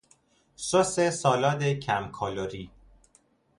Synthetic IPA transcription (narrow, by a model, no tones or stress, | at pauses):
sosesɒːlɒːd̪ecʰæmkʰɒːloɾiː